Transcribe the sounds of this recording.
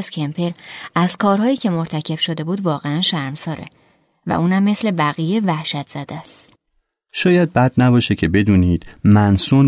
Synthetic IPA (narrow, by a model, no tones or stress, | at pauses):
z̥cʰempʰeɾæz̥kʰɒːɾɦɒːjiːcʰe̞mo̞ɾt̪ʰæcʰe̞b̥ʃo̞d̪e̞buːd̪vɒːɣeænʃæɾmsɒːɾʔḛ | væ̰ʔuːnhæmːe̞sle̞bæɣijevæhʃæt̪ʰz̥æd̪̥æst̪ | ʃɒːjæd̪̚bæd̪̚næbɒːʃecʰe̞be̞d̪uːniːd̪̥mænsun